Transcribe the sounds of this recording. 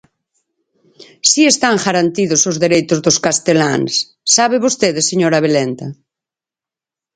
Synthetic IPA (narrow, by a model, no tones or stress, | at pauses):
siest̪aŋʝaɾant̪iðosozðeɾejt̪ozðoskast̪elaŋsː | aβeβost̪eðeseɲoɾaβ̞elɛnt̪a